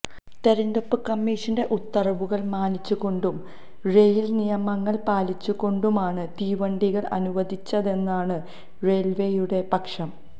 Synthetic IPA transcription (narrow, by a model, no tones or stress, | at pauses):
t̪eɾɐnd̪opːɨkɐmːiːʂɐnde̞ʔut̪ːɐrɐʋuɣɐɭmaːnit͡ɕːuɣo̞ɳɖum | rejilnijɐmɐŋːɐɭpaːlit͡ɕːuɣo̞ɳɖumaːɳɨt̪iːʋɐɳɖiɣɐɭɐ̰nuʋɐd̪ʱit͡ɕːɐðe̞nːaːɳɨ | re̞ːlʋejuɽe̞pɐkʂɐm